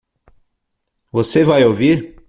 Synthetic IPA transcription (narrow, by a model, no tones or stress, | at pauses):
vosevajowviɾ